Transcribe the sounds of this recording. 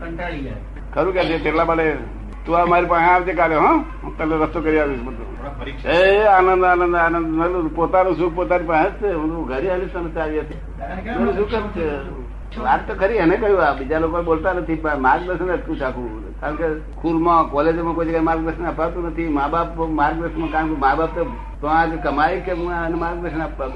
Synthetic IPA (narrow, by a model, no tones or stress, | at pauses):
kʰəɾũkɛsʰet̪eʈlabəle | t̪uamaɾipãːiaʋd͡ʒekaːleɦə̃ | t̪əleɾəst̪okəɾiaʋismət̪ṵ | eaːnənd̪aːnənd̪aːnənd̪nəlupot̪anũsuk̚ʰpot̪anipãətt͡ʃʰeɦũnd̪uɡʱəɾiɦəlisənt͡ʃaːʋiət̪ʰi | uisukət͡ʃʰe | aɾ̚t̪okʰəɾiɦənekəɦjũabid͡ʒalokoneboːlt̪anət̪ʰipãmaːɾkd̪əsənəʈkũt͡ʃʰakʰũ | kaːənke | kʰulmãkɔled͡ʒemãkoid͡ʒəɡaɾmaːɾk̚d̪əsənəpat̪unət̪ʰimabapmaːɾk̚d̪əsəmãkaːə̃kemabaːpt̪o | t̪oãkekɐmaikenemaːɾk̚d̪əsənapːat̪ũ